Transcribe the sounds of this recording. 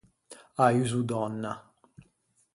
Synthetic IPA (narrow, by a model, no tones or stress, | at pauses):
ayzud̪ɔnːa